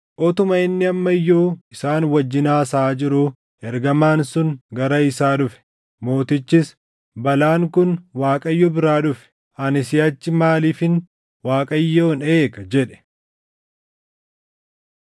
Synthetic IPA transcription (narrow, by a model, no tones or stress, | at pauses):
ʔɔt̪ʊmɐɪnːɪɐmːɐjːoːɪsaːnwɐd͡ʒːɪnaːsaːd͡ʒɪɾʊ | ɛɾɡɐmaːnsʊnɡɐɾɐɪsaːᶑʊfɛ̥ | mo̞ːt̪ɪt͡ʃːɪs | bɐlaːŋkʊnwaːkʼɐjːɔbɪɾaːᶑʊfɛ̥ | ɐnɪsɪjɐt͡ʃːɪmaːliːfɪn | waːkʼɐjːoːneːkɐd͡ʒɛᶑɛ̥